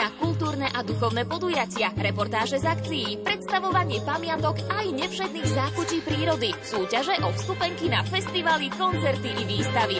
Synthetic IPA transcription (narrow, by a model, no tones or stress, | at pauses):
akult̪uːɾnɛʔad̪uxɔʊnɛpɔd̪ujacɪaɾɛpɔɾt̪aːʒɛzakt͡sijipɾɛt̪st̪aʋɔʋaɲɪɛpamɪat̪ɔkajɲɛfʃɛd̪niːɣzaːxut͡ʃiːpɾiːɾɔd̪isuːcaʒɛʔɔfst̪upɛŋkinafɛst̪iʋalikɔnt͡sɛɾt̪iiʋiːst̪aʋi